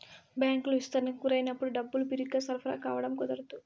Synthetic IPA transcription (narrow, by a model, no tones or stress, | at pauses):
bjaːŋkuluʋist̪ɐɾnɐkːuɾɐjnɐpːuɽuɖɐbːulupiɾiɡaːsɐɾpʰɐɾa̰ːkaːʋɐɽɐmkɔd̪ɐɾɐt̪u